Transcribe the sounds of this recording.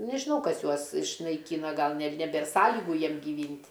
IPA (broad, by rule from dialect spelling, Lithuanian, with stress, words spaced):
nʲɛʒʲɪˈnɐʊ ˈkɐs ˈjuɔs ɪʃnɐɪˈkʲiːnɐ ˈɡɐlˠ nʲɛ nʲɛˈbʲeːr ˈsɑːlʲɪɡʊ ˈjiɛm ɡʲɪˈʋʲiːnʲtʲ